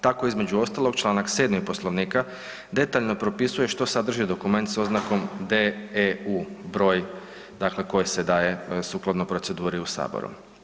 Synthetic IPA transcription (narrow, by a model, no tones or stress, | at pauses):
t̪ako̞izme̞d͡ʒuo̞st̪alˠo̞ɡt͡ʃlˠaːnakse̞ːd̪mipo̞slˠo̞ʋniːka | d̪e̞t̪aʎno̞pɾo̞pisuje̞ʃt̪o̞sad̪r̩ʒid̪o̞kume̞nt̪so̞znako̞md̪euːbɾo̞ːj | d̪akle̞ko̞jise̞d̪aːje̞suːklˠad̪nopɾo̞t̪se̞d̪uːɾiusa̰ːbo̰ɾṵ